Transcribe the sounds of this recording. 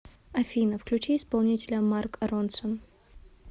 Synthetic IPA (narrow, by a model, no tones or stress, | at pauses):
ɐfʲinəfklʲʉt͡ɕiɪspɐlˠnʲitʲɪlʲəmarkront̪son